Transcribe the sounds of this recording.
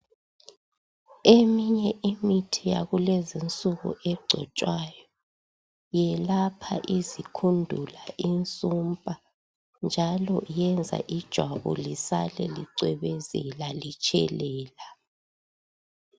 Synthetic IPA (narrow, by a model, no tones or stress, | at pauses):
emiɲɛʔimitʰija̰ɣulezint͡sʼuɣṵʔɛɡ͡ǀʱɔ̰t͡ʃʼwaːjɔ | jɛlapʰa̰ʔizikʰundʱulaʔint͡sʼumpʼa | nd͡ʒʱalɔjɛnd͡zʱa̰ʔid̥ʒ̥ʱwaβṵlisa̰lɛliǀwɛβɛzɛlalit͡ʃʼɛ̰lɛːla